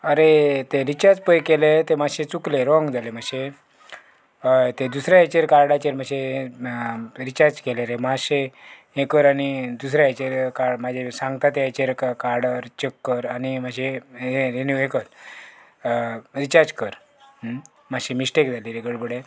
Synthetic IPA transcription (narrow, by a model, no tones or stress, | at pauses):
əɾet̪eɾit͡ɕaɾd͡zpəjkelet̪emaɕet͡sukleɾɔ̃ŋɡd͡zʱalemaɕe | t̪ed̪usɾjaet͡ɕeɾkaɾɖat͡ɕeɾmaɕee | ɾit͡ɕaɾd͡zkeleɾemaɕe | ekəɾanid̪usɾjaet͡ɕeɾkamad͡ʑʱesãŋɡt̪at̪eet͡ɕeɾkkaɾɽəɾt͡ɕəkːəɾanimad͡ʑʱeɦeɾeniuekəɾ | ɾit͡ɕaɾd͡zkəɾ | maɕemisʈekd͡zʱaliɾeɡəɽbəɽe